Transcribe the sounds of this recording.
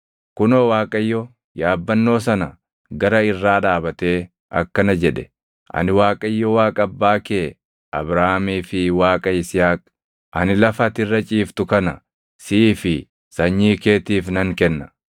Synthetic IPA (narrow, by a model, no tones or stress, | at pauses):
kʊnoːwaːkʼɐjːɔ | jaːbːɐnːo̞ːsɐnɐ | ɡɐɾɐɪrːaːᶑaːbɐt̪e̞ː | ʔɐ̰kːɐnɐd͡ʒɛᶑɛ̥ | ʔɐ̰nɪwaːkʼɐjːɔwaːkʼɐbːaːkeː | ʔɐ̰bɾaːmiːfɪwaːkʼɐɪsɪjaːk̚ | ʔɐnɪlɐfɐt̪ɪrːɐt͡ʃʼiːft̪ʊkɐnɐ | siːfɪ | sɐɲːiːke̞ːt̪iːfnɐŋkɛnːɐ̥